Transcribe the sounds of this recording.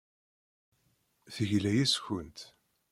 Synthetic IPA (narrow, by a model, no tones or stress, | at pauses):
θəʝlæjæsçənt̪